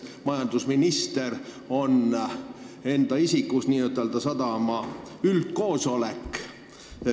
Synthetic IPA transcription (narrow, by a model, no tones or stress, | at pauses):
mɑjɑnd̪̥usminist̪e̞r | o̞n | e̞nd̪̥ɑisikːˑusniːøt̪ːˑeld̪ɑsɑd̪ɑmɑylt̪̚ko̞ːso̞lekː